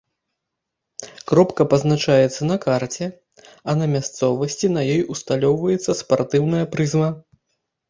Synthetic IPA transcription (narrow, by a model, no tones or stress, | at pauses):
kɾɔpkɐpɐznat͡ʂajɛt̪sːɐnɐkart͡sʲɛ | ɐnɐmʲast̪sɔvɐsʲt͡sʲinɐjɔjust̪alʲɔwvɐjɛt̪sːɐspart̪ɨwnɐjɐpɾɨzvɐ